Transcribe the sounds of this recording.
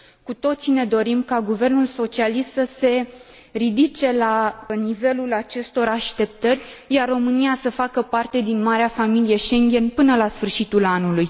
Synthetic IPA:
kut̪o̞t̪sine̞d̪o̞ɾimkaɡuve̞rnulso̞t͡ʃialist̪səse̞ | rid̪it͡ʃe̞lanive̞lulat͡ʃe̞st̪o̞ɾaʃt̪e̞p̚t̪ərʲ | jarro̞mɨnijasəfakəpart̪e̞d̪inmaɾeafamilije̞ʃe̞ŋɡʲe̞npɨnəlasfɨrʃit̪ulanuluj

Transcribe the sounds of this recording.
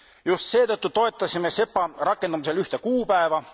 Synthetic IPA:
just̪se̞ːt̪ɤt̪ːut̪o̞e̞t̪ːˑɑsʲime̞se̞pˑːɑɾɑkːˑe̞nd̪ɑmise̞lyht̪e̞kuːpæevɑ

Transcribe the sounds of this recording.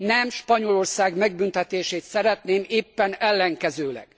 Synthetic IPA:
nɛmʃpɒɲo̞lo̞rsaːɡmɛɡbynt̪ɛt̪eːʃeːt̪sɛɾɛt̪neːmeːpːɛnɛlːɛŋkɛzøːlɛ̰ɡ̥

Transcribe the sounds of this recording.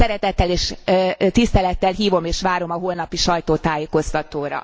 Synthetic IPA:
sɛɾɛt̪ɛt̪ːɛleːʃt̪ist̪ɛlɛt̪ːɛlɦiːvo̞meːʃʋaːɾo̞mɒɦoːlnɒpiʃɒjt̪oːt̪aːjeːko̞st̪ɒt̪oːɾɒ̰

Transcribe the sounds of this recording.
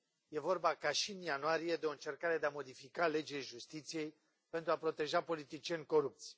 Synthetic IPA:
je̞vo̞rbakaʃiɨnjanuaɾije̞d̪eo̞ɨnt͡ʃe̞rkaɾe̞d̪eamo̞d̪ifikale̞d͡ʒeleʒust̪it̪sije̞j | pe̞nt̪ɾuapɾo̞t̪e̞ʒapo̞lit̪it͡ʃie̞nʲko̞ɾup̚t̪sʲ

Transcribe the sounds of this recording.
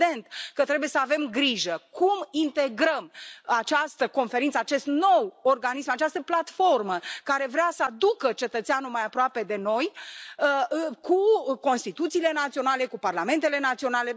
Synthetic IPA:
e̞nt̪kət̪ɾebuje̞səave̞mɡɾiʒəkʰumint̪e̞ɡɾəmat͡ʃast̪əko̞nfe̞ɾint̪səat͡ʃe̞st̪no̞worɡanismat͡ʃast̪əplat̪fo̞rməkaɾe̞vɾeasəad̪ukət͡ʃe̞t̪ət̪sianumajapɾoape̞d̪e̞no̞jəkuko̞nst̪it̪ut̪siːle̞nat̪sio̞nale̞kuparlame̞nt̪e̞le̞nat̪sio̞nale̞

